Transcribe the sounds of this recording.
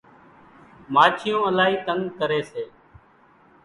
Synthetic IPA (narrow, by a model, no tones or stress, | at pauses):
maːt͡ʃʰɪjõːəlaːɦiːt̪əŋkəɾeːseː